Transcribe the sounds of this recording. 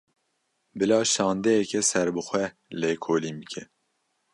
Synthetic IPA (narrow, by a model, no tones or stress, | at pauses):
bɨlɑːʃɑːnd̪ɛjɛkɛsɛɾbɨxʷɛ | leːkʰoːliːmbɨkʰɛ